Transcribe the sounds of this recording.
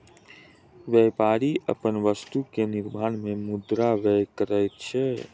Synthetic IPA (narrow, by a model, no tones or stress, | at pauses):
ʋjɛpaɾiʔə̰pənʋəst̪ukeniɾmanmemud̪ɾaʋɛkəɾɛjt̪̚t͡ʃʰɛ